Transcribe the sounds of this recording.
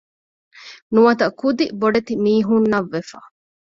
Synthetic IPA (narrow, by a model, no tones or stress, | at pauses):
nuɐt̪ɐkud̪iboɖet̪imiːɦunːɐʋːefa̰